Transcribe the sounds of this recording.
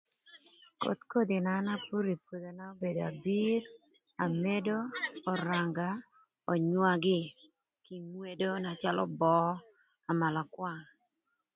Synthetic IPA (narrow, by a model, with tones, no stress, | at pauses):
ko̰˨t̪ko˦d̪ɪ˨na˨˦na˦pu˦ɾi˨pwo˨d̪o˨na˦o˦be˨da˨bi˦ɾ | a˨me˦doː˦˨ɾa˨ŋɡa˨ | o˨ɲwa˦ɡɪ˦ | ki˨mwe˦do˦na˨t͡ʃa˦lɔ̰˦bɔ˦ | a˨ma˨la˨kwa˨ŋ